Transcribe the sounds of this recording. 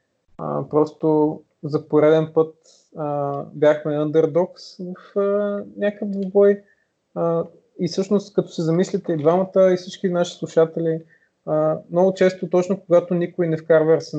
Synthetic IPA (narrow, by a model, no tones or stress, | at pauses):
ə̰pɾɔst̪o | zɐpoɾɛd̪ɛnpɤt̪ | əbʲjaxmɛənd̪ɛɾd̪ɔksvɐfənʲakəvzobɔj | ə | isɤʃnost̪kɐt̪ɔ̥sizɐmislʲit̪ɛid̪vamət̪əifsit͡ʃkinaʃi̥slˠuʃat̪ɛli | əmnɔɡʊt͡ʃɛst̪ot̪ɔt͡ʃnokoɡat̪ʊnikʊinɛfkaɾvɛɾsɛ